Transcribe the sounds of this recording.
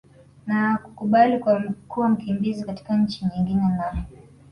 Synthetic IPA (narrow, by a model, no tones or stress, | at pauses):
naku̥kuɓalikwakuwam̩kimbizikati̥kaɲ̩t͡ʃiɲiŋɡinɛnaɔ